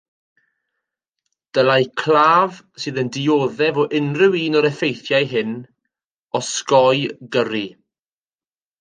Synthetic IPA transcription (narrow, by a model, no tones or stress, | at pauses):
d̥əlajkʰlˠaːvsɨːðəndɪoːðɛvɔʔɪnrɪwiːnɔɾɛfejθjajɦɪn | ɔskɔjɡəɾi